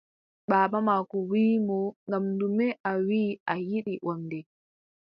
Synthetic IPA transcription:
ɓaːɓamaːkɔwiːmɔŋɡamndumɛʔawiːajiɗiʔɔndɛ

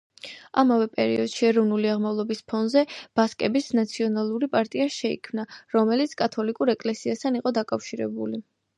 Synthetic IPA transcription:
amavɛpʼɛ̰ɾḭɔd̪̥ʃiɛɾɔvnuliaʁmavlˠɔbispʰɔnzɛb̥askʼɛbisnat̪sʰiɔnalˠuɾipʼaɾt̪ʼiaʃɛḭkʰmnaɾɔmɛlit̪sʰkʼat̪ʰɔlikʼuɾɛkʼlɛsiast̪ʰaniqʼɔd̪akʼafʃiɾɛbuli

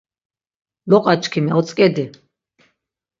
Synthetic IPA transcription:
lɔqʼat͡ʃʰʼkʰimɛɔt̪t͡s̪ʼkʼɛd̪i

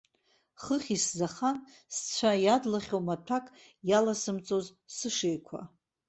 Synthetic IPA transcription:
χəχʲiszaχan | st͡sʷʰajadlaχʲowmatʰakʼ | jalasɨmt͡sʼoz | sɨʂejkʷʰa̰

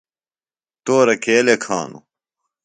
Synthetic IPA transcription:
t̪oːɾɐkeːlekʰa̰ːnṵ

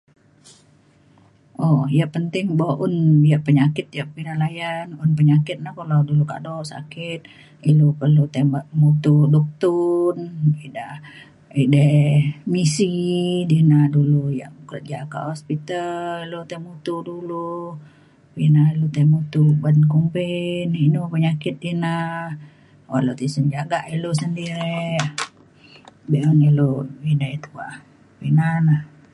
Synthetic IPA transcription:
ʔɔjaʔpənt̪ɪŋbawaʔunjaʔpəɲakɪt̪̚jaʔpiɾalajanʊnpəɲakɪt̪̚nahkaladuluka̰dɔʔsa̰kɪt̪̚ | ilupərlut̪emaʔmut̪udɔk̚t̪unida | idɛmisidinaduluja̰ʔbukɾət̪̚d͡ʒaka̰hɔspit̪allilot̪emut̪udulu | pinailut̪emut̪ubadnkumpeninupəɲakɪt̪̚dina | walot̪isənd͡ʒaɡaʔilosəndiɾe | beʔmniloidat̪uba̰ʔ | pinanah

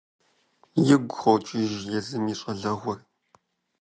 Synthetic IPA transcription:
jɪɡʷʊχɐwt͡ʃʼɪʒjɛzɨmiːɕʼɐɮɐʁʷɔr

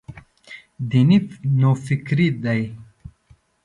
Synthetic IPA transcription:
d̪ininofikɾid̪ɐj

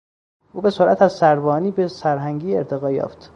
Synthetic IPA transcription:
ʔuːbe̞soɾʔæt̪æzsæɾbɒːniːbesæɾɦæŋɟiːḛɾt̪ʰe̞ɣɒːjɒ̰ːft̪

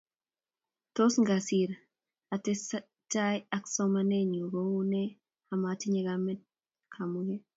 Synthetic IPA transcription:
tosŋɡasiɾ | atɛs | tajaksɔmaneɲoɡoune | amatiɲeɡamɛt̚ | kʰamuɡɛ

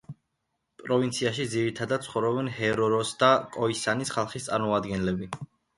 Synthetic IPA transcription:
pʼɾɔvint̪sʰiaʃid̪ziɾit̪ʰad̪at̪̚t̪sʰχɔvɾɔbɛnhɛɾɔɾɔsd̪akʼɔisanisχalˠχist̪sʼaɾmɔad̪ɡɛnlɛbi

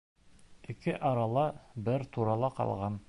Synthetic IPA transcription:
ɘkɘʔɑɾɑlˠɑbɘɾt̪uɾɑlˠɑqɑ̰lˠʁɑn

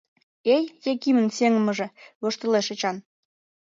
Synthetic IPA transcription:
ejjekimə̆nseŋə̆mə̆ʒĕβoʃt̪ə̆leʃet͡ɕɑn

